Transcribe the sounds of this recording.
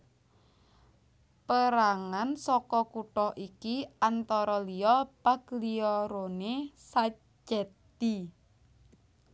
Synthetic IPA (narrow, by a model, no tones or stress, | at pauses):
pəɾaŋansɔkɔkuʈɔhʔikiant̪ɔɾɔlijɔpakliɔɾonesa | d͡ʒɛt̪i